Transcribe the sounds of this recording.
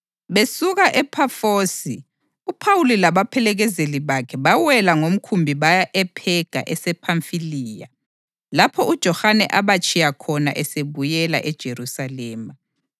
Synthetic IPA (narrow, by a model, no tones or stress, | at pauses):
βesuɣaʔɛpʰafoːsi | upʰawulilaβapʰɛlɛɣɛzeliβakʰɛβawɛlaŋom̩kʰumbʱiβajaʔɛpʰɛɡ̥ʱa̰ʔɛsɛpʰaɱfiliːja̰ | lapʰɔud̥ʒ̥ʱɔhanɛ̰ʔaβat͡ʃʼʰijakʰɔna̰ʔɛseβujɛla̰ʔɛd̥ʒ̥ʱeɾusalɛːma